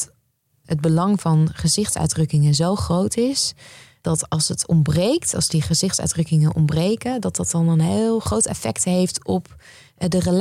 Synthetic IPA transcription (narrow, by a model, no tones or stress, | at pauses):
həd̚bəlɑŋvɑnχəzɪχtsœ̰ɥdrɵkɪŋənzowχrowtɪsd̥ɑtɑlˠsətʰɔ̰mbrejktʰɑ̰lˠzdiχəzɪχtsœ̰ɥdrɵkɪŋənʔɔ̰mbrejkədɑtdɑtɑnənɦelˠχrowtɛ̰fɛ̰ktɦejftɔp | dərəl